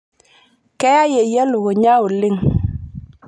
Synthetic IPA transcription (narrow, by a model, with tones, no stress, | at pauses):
kɛ˦a˦je˨je˦lu˨ɣo˨ɲa˦u˨li˦ŋ